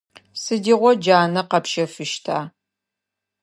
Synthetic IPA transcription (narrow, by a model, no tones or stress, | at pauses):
sɨdiːʁʷɔd͡ʒaːnɐqɐpʃɐfɨʃtʰaː